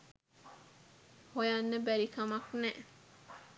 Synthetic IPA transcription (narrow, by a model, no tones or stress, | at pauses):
hojanːəbæɾikamaknɛʔ